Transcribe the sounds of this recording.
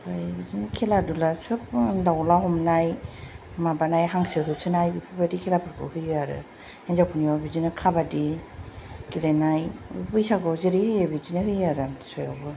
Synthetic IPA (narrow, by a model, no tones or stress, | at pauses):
pajbizinkʰɛladulasɯp̚dawlaɦɔmnaj | mabanajɦaŋsɯɦɯsɯnajbipʰɯbadikʰɛlapʰaɾkʰɯ̰hɯjɯaɾɯ̰ | enzapʰuniɔbizinɯkʰabadi | kilenaj̰bɯjsaɡɔzeɾihɯjebizinɯɦɯjaɾɯamtsɔja̰bɯ